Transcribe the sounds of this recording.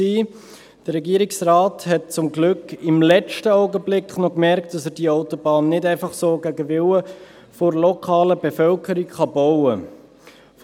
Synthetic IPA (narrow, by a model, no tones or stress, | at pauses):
iː | d̥əɾːɛɡiəɾiksraːthɛt̚t͡sʊmɡlʏkɪmlɛt͡ʃtəaʊɡəblɪkχnɔkmɛɾktd̥ɑsəɾd̥iaʊtobɑːnːɪdɛɪfɑχsoːɡæɡəvɪwə | foɾlɔkʰɑːləbefœlkəɾikχɑbɔʊə | f